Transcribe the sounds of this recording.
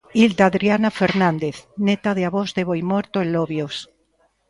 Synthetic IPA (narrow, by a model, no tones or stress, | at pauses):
ild̪aðɾjanafeɾnãnd̪eθnet̪aðeaβozðeβojmoɾt̪oenlloβjos